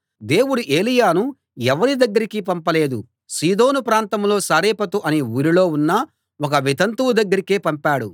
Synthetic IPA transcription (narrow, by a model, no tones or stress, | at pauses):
d̪e̞ːwuɽuʔe̞ːlijaːnu | ɛʋɐɾid̪ɐɡːɐɾikipɐmpɐle̞ːd̪u | siːd̪o̞ːnupɾaːnt̪ɐmlo̞ːsaːɾeːpɐt̪uʔɐniuːɾilo̞ːunːɐ | wɔk̬ɐʋit̪ɐnt̪uwud̪ɐɡːɐɾikeːpɐmpaːɽu